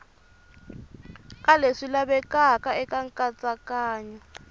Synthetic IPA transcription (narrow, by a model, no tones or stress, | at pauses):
kʼaleʂilaβɛkakaɛkaŋkʼat͡sʼakaːɲa